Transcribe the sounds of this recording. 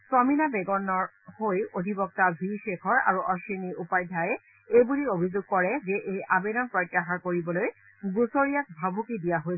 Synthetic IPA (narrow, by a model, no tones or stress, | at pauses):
sɔminabeɡɔnːɔɹ | hojodʱibɔk̚tabʱiʃekʰɔɹa̰ɹuʔɔʃiniupajdʱajɛ | ejbuliobʱizoɡ̚kɔɹɛzɛʔejʔabedɔnpɹojtːaxaɹkoɹibɔloj | ɡusoɹijak̚bʱabʱukidijaɦojsɛ